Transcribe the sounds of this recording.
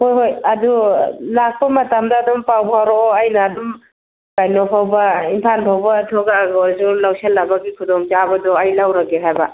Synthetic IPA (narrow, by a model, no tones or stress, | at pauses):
hojɦojɐdulak̚pɐmɐtamdaːdɔmpawbhawɾoːajnaːdɔm | kajnɔpʰawbɐimpʰanpʰawbɐtʰɔɡaɡɔzulawselːabaɡikʰudɔmt͡ʃabɐdɔajlawɾaɡeɦajba